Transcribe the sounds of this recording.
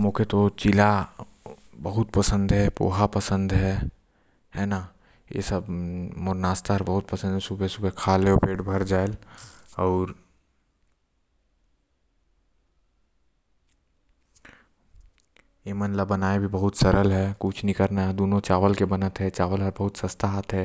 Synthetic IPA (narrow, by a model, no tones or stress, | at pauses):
mõkʰet̪ot͡ʃɪla | bɐɦʊt̪pəsə̃nd̪ɦɛpo̰ːɦapəsə̃nd̪ɦɛ | hɛna | jḛsəbmoɾnaːst̪aɾbɐɦʊt̪̚pəsə̃nd̪ɦɛsubesubekʰaːleopeːʈbʱɐɾd͡ʒaːelɔːɾ | jemənlabɐnaːebʱibɐɦʊt̪sɐɾəlɦɛkʊt͡ʃʰnikəɾnaɦɛd̪oːnõt͡ʃaːʋəlkebɐnət̪ɦɛt͡ʃaːʋəlɦəɾbɐɦʊt̪sɐst̪ʰaɦat̪ɦɛː